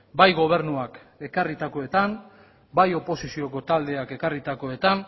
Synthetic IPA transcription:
bajɣo̞β̞e̞ɾnuak | e̞karit̪ako̞e̞t̪an | bajo̞po̞sisio̞ko̞t̪ald̪e̞ake̞karit̪ako̞e̞t̪an

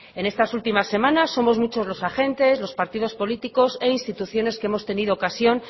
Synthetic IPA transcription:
e̞ne̞st̪asult̪imasːe̞mãnasːo̞mo̞zmut͡ʃo̞zlo̞saxe̞nt̪e̞zlo̞spaɾt̪ið̞o̞spo̞lit̪iko̞se̞inst̪it̪uθjo̞ne̞skeemost̪e̞niðoːkasjo̞n

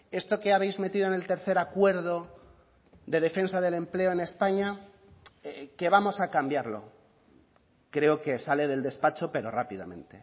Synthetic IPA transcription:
e̞st̪o̞ke̞aβ̞ejzme̞t̪iðoene̞lt̪e̞ɾθe̞ɾakwe̞ɾðo̞ | ðe̞ð̞e̞fe̞nsaðe̞le̞mple̞oe̞ne̞spaɲa | eke̞β̞amo̞sakambjaɾlo̞̰ | kɾe̞oke̞sale̞ðe̞ld̪e̞spat͡ʃo̞pe̞ɾo̞̰rapiða̰mẽ̞̰nt̪e̞

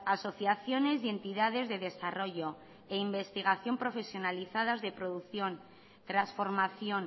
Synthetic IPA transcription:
aso̞θjaθjo̞ne̞zie̞nt̪iðað̞e̞zðe̞ðe̞saro̞ʝo̞ | eimbe̞st̪iɣ̞aθjo̞mpɾo̞fe̞sjo̞naliθað̞azðe̞pɾo̞ðukθjo̞n | t̪ɾasfo̞ɾmaθjo̞n

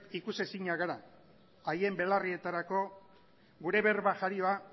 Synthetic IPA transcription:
ikuse̞siɲaɣaɾa | aje̞mbe̞larie̞t̪aɾako̞ | ɡuɾe̞βe̞ɾβaʝaɾio̞a

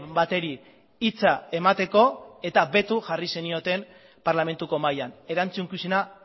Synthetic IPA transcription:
bat̪e̞ɾi | it͡sae̞mat̪e̞ko̞e̞t̪abe̞t̪uʝarise̞nio̞t̪e̞m | paɾlame̞nt̪uko̞majane̞ɾant͡suŋkusina

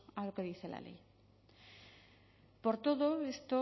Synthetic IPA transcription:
aloke̞ðiθe̞la̰le̞̰j | po̞ɾt̪o̞ðoest̪o

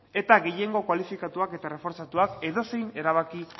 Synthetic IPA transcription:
e̞t̪aɣe̞je̞ŋɡo̞kwalifikat̪uake̞t̪are̞fo̞ɾt͡sat̪uake̞ðo̞se̞jneɾaβaki

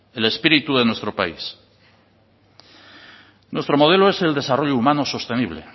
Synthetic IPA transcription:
ele̞spiɾit̪uðe̞nwe̞st̪ɾo̞pais | nwe̞st̪ɾo̞mo̞ð̞e̞loe̞se̞ld̪e̞saro̞ʎoumanoso̞st̪e̞niβle

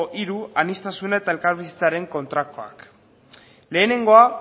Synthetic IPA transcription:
ʔiɾuanist̪asunaet̪ae̞lkaɾβisi̥t͡saɾe̞ŋko̞nt̪ɾakoa̰k | le̞ːne̞ŋɡo̞a

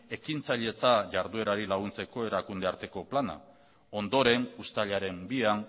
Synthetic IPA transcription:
e̞kint͡saʎe̞t͡saʝaɾðue̞ɾaɾilaɣ̞unt͡se̞ko̞e̞ɾakund̪e̞aɾt̪e̞ko̞plana̰ | o̞nd̪o̞ɾe̞nust̪aʎaɾe̞mbian

